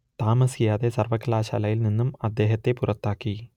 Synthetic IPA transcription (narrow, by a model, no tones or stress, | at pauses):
t̪aːmɐsijaːðesɐrʋɐkːɐlaːɕa̰lɐjilninːumɐd̪ːe̞ːɦɐt̪ːe̞purɐt̪ːaːkːi